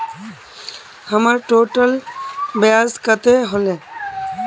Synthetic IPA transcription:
həmaɾʈoːʈəlbəjaːzkət̪eɦole

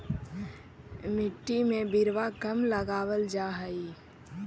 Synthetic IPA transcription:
mɪʈːimẽbɪɾʋakəmləɡaːwəld͡ʒaːɦəi

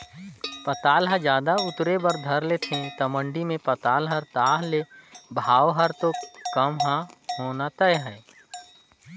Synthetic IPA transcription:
pɐt̪aːlɦad͡ʒjaːd̪aʊt̪ɾebəɾd̪ʱəɾlet̪ʰĩt̪ɐmə̃ɳɖimẽpɐt̪aːlɦəɾt̪aːɦlebʱaːʋɦəɾt̪okəmɦãhoːnat̪əɦɛ

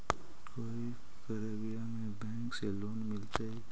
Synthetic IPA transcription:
koi | kəɾabijamebɛŋkselonmiltaj

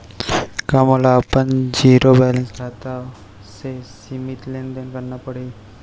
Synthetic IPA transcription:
kamolaːpənd͡ʒiːɾobɛlənsɾʰat̪a | sesimit̪lend̪enkəɾnapəɽe

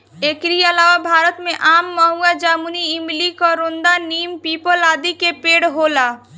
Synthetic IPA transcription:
eːkɾiəlaːʋabʱaːɾət̪mẽʔaːmːəɦuad͡ʒaːmuniɪmlikɔɾõnd̪aniːmpiːpəlaːd̪ikepeːɽɦoːlaː

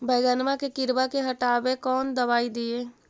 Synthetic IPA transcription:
bʱɛːɡənmãkekɪɾbakeɦɐʈaːbekɔːnd̪əbaːid̪ɪeː

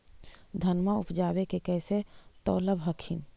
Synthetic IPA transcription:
d̪ʱənmaupd͡ʒabekekɛset̪ɔ̰ːləbɦəkʰin

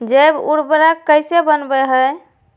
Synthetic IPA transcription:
d͡ʒebuɾbɾakːəjsebənbɛɦəj

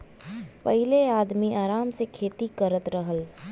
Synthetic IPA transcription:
pəɦɪleaːd̪miʔaːɾaːmsekʰeːt̪ikəɾət̪ɾəɦəl

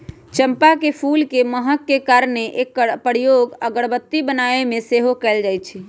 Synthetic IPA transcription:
t͡ʃəmpakepʰulkeməɦəkːekaɾneʔekːəpəɾijoɡəɡəɽbət̪ːibənaemẽseɦokɛld͡ʒajt͡ʃʰi

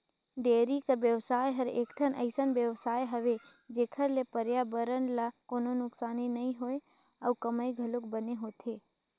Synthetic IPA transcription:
ɖeːɾikəɾbjəʋsaːjɦəɾḛːkʈʰənʔə̰ɪsənbjəʋsaːjɦəʋe | d͡ʒeːkʰəɾlepəɾjabəɾənlakononʊksaːninəĩɦoe | əukəməjɡʱəlʊkbəneɦoːt̪ʰe

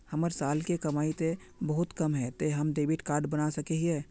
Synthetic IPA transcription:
həməɾsaːlkekɐmaːit̪e | bəɦʊt̪kəmɦɛt̪oɦɐmd̪eːbɪʈkaːɾɖbənasəkeɦiɛː

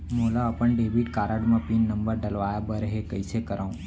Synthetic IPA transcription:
molaəpəɳɖeːbiʈkaɾəɽmãpinːəmbəɾɖəlʋajabəɾɦekəjsekəɾaũ

